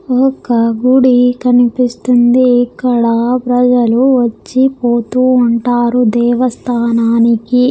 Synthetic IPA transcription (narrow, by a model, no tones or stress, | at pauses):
ɔkɐɡuɽikɐnipist̪und̪iːkːɐɽapɾɐd͡ʒɐluʋɐt͡ʃːipoːt̪uːɳʈaːɾud̪ɛːʋɐst̪ʰaːnaːniki